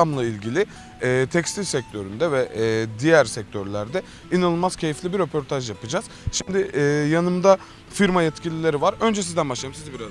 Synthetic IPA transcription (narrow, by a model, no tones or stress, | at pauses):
amlˠailʲɟilʲɪ | ɛːt̪ʰɛcst̪ilʲsɛc̚t̪ʰø̞ɾynd̪ɛvɛd̪ijæɾsɛc̚t̪ʰøɾlʲæɾd̪ɛ | inanɯlˠmaz̥cʰe̞jiflʲibiɾø̞pʰo̞ɾt̪ʰaʒjapɯd͡ʒaz̥ | ʃimd̪ɪːjanɯmd̪a | fiɾmajɛt̪cilʲilʲe̞ɾivaɾø̞nd͡ʒɛs̬izd̪ænbaʃlˠajɯmsizibiɾa